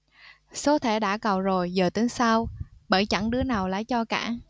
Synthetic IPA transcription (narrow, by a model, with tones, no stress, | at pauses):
so˨˦t̪ʰe˧˩ɗa̰ː˧˥kə˨˩wzo˨˩jzəː˨˩t̪ɨ˨˦ŋsa˧wɓəː˧˩jt͡ɕa˧˥˩ŋɗɨ˨˦ənaː˨˩wla̰ː˧˥˨jt͡ɕɔ˧ka̰ː˧˩